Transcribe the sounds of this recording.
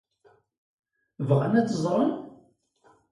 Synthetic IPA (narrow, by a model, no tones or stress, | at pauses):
vʁanæt͡sːəzˤɾˤən